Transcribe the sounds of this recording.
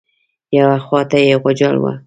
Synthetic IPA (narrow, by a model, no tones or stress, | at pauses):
jawaxwɑt̪ajeɣʊd͡ʒalwa̰